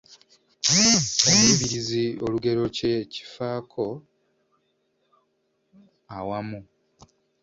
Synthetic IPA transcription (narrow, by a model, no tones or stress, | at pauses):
kaniβiɾizio̞luɡe̞ɾo̞ceci̥faːkʰo̞ | awamu